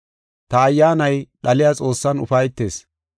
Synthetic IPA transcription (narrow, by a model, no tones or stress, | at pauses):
t̪ɐːjːaːnɐjɗɐlɪjaːt͡sʼo̞ːsːɐnʊ̰fɐjt̪ːeːs